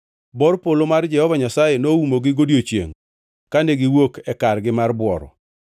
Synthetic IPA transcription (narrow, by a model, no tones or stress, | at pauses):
bɔɾpolomard͡ʒɛhɔvaɲasajenoumoɡɪɡodjot͡ʃjḛŋ | kaneɡɪwokɛkarɡɪmarbwɔ̰ɾɔ̰